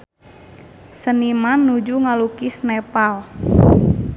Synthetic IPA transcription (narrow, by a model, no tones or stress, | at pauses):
sənimanːud͡ʒuŋalukisnepal